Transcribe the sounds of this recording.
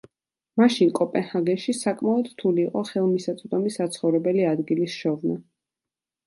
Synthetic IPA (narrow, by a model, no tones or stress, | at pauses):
maʃinkʼɔpʼɛnhaɡɛnʃisakʼmaɔd̪ɾt̪ʰuliːqʼɔχɛlˠmisat̪sʼd̪ɔmisat̪sʰχɔvɾɛbɛliad̪ɡilisʃɔvna